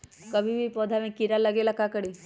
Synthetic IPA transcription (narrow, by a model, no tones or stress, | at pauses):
kəbʱibʱipɔːd̪ʱamẽkiɾaləɡeːlakakəɽi